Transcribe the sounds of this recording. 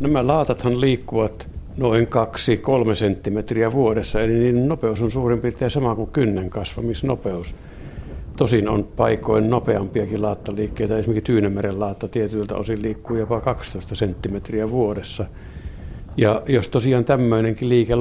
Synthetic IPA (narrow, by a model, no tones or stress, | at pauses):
næmælɑˑːt̪ɑt̪hɑnliːkːuʋɑt̪ | noiŋkɑksikolmesent̪ːimet̪riæʋuodesːɑeliniːnennopeusonsuːrimpirt̪eæsɑmɑkukynːeŋkɑsʋɑ̰misno̰peus | t̪osino̰npɑikoinnopeɑmpiɑkilɑˑːt̪ːɑliːkːeˑit̪ɑesimekist̪yːnemmærellɑːt̪ːɑt̪iet̪ylt̪æ̰o̰silliːkːuːjopɑkɑkst̪oˑist̪ɑsent̪ːimet̪riæʋuodesːɑ | jɑjost̪osiɑːnt̪æmːøineŋkiliːke